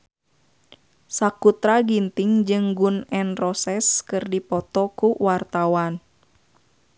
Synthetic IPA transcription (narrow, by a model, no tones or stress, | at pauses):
sakut̪ɾaɡint̪iŋd͡ʒɨŋɡunɛnrɔsɛskɨrdipɔt̪ɔkuwart̪awan